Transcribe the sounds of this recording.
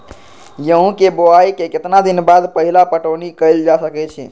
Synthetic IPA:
jəɦũkeboaikeket̪nad̪inbad̪pəɦilapəʈonikəɪld͡ʒasəkɛt͡ʃʰɛ̰

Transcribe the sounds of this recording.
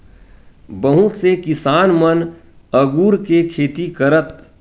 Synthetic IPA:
bəɦũt̪sekɪsaːnmən | əɡuːɾkekʰeːt̪ikəɾət̪

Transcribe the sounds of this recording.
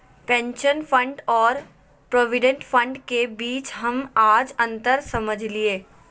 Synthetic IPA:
pɛ̃ːnʃənfʰə̃ɳɖɔːɾ | pɾoːʋɪɖə̃ɳʈfʰə̃ɳɖkebiːt͡ʃɦɐmaːd͡ʒɐ̃nt̪əɾsɐməd͡ʒʱlieː

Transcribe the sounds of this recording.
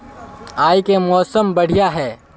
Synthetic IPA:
aːikemɔːsəmbɐɽ̤ijaɦɛː

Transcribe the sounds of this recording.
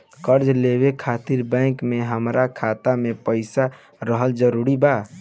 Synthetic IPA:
kəɾd͡ʒleβekʰat̪iɾbə̃ɪkmeɦəmɾakʰat̪amepəɪsa | ɾəɦəld͡ʒəɾuɾiba

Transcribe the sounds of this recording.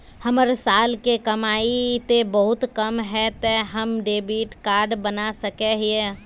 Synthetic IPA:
həməɾsaːlkekəmaːit̪ebəɦʊt̪kəmɦɛt̪eɦəmɖeːbiʈkaːɾɖbənasəkeɦie

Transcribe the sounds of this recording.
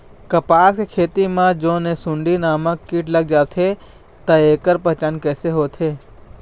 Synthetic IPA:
kɐpaːskekʰeːt̪imãd͡ʒõːnẽsʊ̃ɳɖinaːməkːiːʈləɡ̚d͡ʒaːt̪ʰe | t̪ɐeːkəɾpɐɦt͡ʃankɛːseɦoːt̪ʰeː

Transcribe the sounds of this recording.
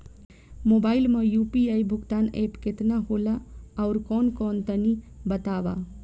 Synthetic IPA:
mobaːilmẽjupiajbʱʊɡt̪aːnepket̪naɦolaaʊɾkɔnkɔːnt̪ənibət̪aba̰

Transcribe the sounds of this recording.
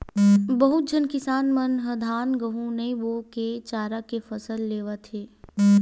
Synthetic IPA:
bəɦʊt̪̚d͡ʒʱənkɪsaːnmənɦəd̪ʱaːnɡəɦũneʋoket͡ʃaːɾakefɐsəlːeːʋat̪ʰeː

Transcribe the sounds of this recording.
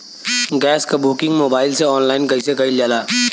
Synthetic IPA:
ɡɛːskabuːkɪ̃ŋɡmoːbaːɪlseɔːnlaːɪnkɐisekɐilaːlaː

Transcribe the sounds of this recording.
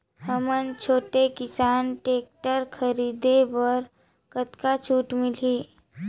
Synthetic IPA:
ɦəmənt͡ʃʰoːʈekɪsaːnʈeːk̚ʈəɾkʰəɾiːd̪eʋəɾ | kət̪kat͡ʃʰuːʈmɪliː

